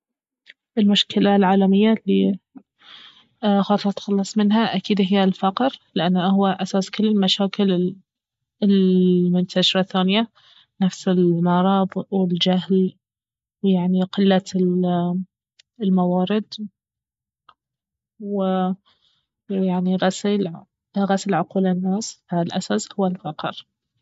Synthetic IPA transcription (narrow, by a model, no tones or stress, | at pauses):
ʔɪlmʊʃkɪlalʕaːlamɪjːalːi | xɑːt̪ˤɾˤɑt̪xɑlːɑsˤmɪnɦaʔakiːd̪ɦɪjːalfaqɾlɪʔanːhʊwaʔasaːskʊlːɪlmaʃaːkɪlɪ | ɪlmʊnt̪ʰaʃɾˤɑθaːnɪja | nafsɪlmɑɾˤɑːðˤwɪld͡ʒaɦl | wjaʕniqɪlːa | ɪlmawɑːɾɪd̪ | wɪ | jaʕniɣasl | ɣasɪlʕʊquːlɪnːaːsfalʔasashʊwːalfɑqɾ